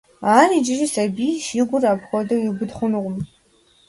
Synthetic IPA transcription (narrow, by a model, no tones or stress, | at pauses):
aːɾid͡ʒɪʒisabiːʃiːɡʷʊrapʰxʷɔdɐiɡʷʊdχʷʊnɨʁʷʊm